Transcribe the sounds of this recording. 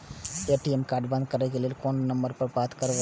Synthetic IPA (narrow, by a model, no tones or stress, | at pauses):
eːʈiemkaːɾɖbɐ̃nd̪̚kɐɾnekelielkoːnːɐ̃mbəɾpɐɾbaːt̪kɐɾoʋ